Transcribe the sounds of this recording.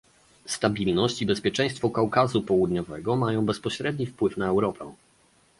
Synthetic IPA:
st̪abʲilnɔɕt͡ɕibɛspʲjɛt͡ʂɛ̃j̃st̪fɔkawkazupɔwud̪ɲɔvɛɡɔmajɔ̃w̃bɛspɔɕɾɛd̪ɲifpwɘfnaɛwɾɔpʰɛ̰̃

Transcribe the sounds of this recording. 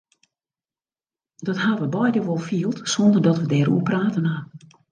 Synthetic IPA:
dɔthaʋəbɔjdəʋolˠfiːəlˠtsɔndərdɔtʋədɛːɾṵəpraːtənan

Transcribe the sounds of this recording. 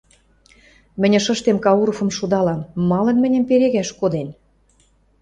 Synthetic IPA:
mɘ̆nʲɘ̆ʃɤ̆ʃt̪emkɑuɾofɤ̆mʃud̪ɑlɑmːɑlɤ̆nmɘ̆nʲə̆mpeɾeɣæʃkod̪en

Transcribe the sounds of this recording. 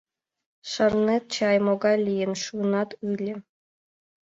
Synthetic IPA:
ʂɤ̆rnet̪t͡ɕɑjmoɡɑlʲijɘnʂunɑt̪ylʲɘ̆

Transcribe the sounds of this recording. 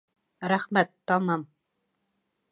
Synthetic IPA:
ɾæχmæt̪ːɑmɑm

